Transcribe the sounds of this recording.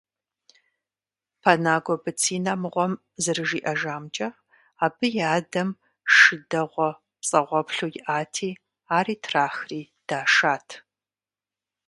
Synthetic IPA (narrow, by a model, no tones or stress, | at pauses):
pʰanaːɡʷɔbɨt͡sʰiːnamɨʁʷɔm | zɨrɨʒiːʔɐʒaːmt͡ʃʼɐ | aːbɨjaːdɐm | ʂɨdɐʁʷɔ | psʼɐʁʷɔpɬuːjɪʔaːtʰiː | aːriːtʰraːxriː | d̥aːʂaːtʰ